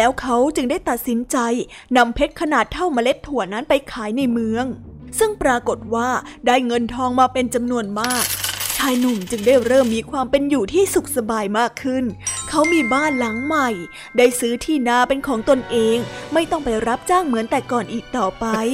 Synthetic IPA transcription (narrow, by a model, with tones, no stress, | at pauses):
lɛː˦˥wkʰa˦˥wt͡ɕɯ˧ŋdaː˥˩jt̪a˨˩t̪̚si˩˦nt͡ɕa˧j | na˧mpʰe˦˥t̪̚kʰa˧naː˨˩t̪ʰːa˥˩wmaː˧le˦˥t̪ʰːu˨˩əna˦˥npa˧jkʰaː˩˦jna˧jmɯ˧əŋ | sɯ˥˩ŋpɾaː˧ko˨˩t̪̚waː˥˩daː˥˩jŋɤ˧nt̪ʰɔː˧ŋmaː˧˩pe˧nt͡ɕa˧mnu˧ənmaː˥˩k̚t͡ɕʰaː˧jnu˨˩mt͡ɕɯ˧ŋdaː˥˩jɾɤː˥˩mːiː˧kʰwaː˧mpe˧njuː˨˩t̪ʰiː˥˩su˨˩k̚sa˧baː˧jmaː˥˩kʰːɯ˥˩nkʰa˦˥wmiː˧baː˥˩nla˩˦ŋma˨˩j | daː˥˩jsɯː˦˥t̪ʰiː˥˩naː˧˩pe˧nkʰɔː˩˦ŋt̪o˧nʔeː˧ŋma˥˩jt̪ɔ˥˩ŋpa˧jɾa˦˥p̚t͡ɕaː˥˩ŋmɯ˩˦nt̪ɛː˨˩kɔː˨˩nʔiː˨˩k̚t̪ɔː˨˩pa˧j